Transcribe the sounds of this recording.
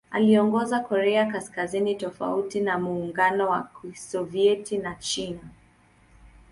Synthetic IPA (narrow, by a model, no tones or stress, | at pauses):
a̰liɔŋɡɔzakɔɾɛakaskazinitɔfa̰utinamuːŋɡanɔwasɔviɛtinat͡ʃina